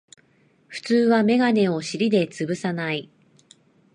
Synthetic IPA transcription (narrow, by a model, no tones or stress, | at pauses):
ɸɯ̟̥t͡sɨːβame̞ɡane̞o̞ɕiɾʲid̪e̞t͡sɨbɯ̟sanai